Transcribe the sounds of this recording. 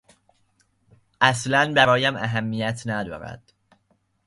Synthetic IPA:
ʔæslænbæɾɒːjæmæɦæmːijæt̪ʰnæd̪ɒ̰ːɾæ̰d̪̥

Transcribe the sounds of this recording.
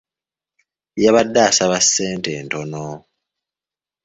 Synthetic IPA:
jaβadːaːsaβasːeːnteːntono

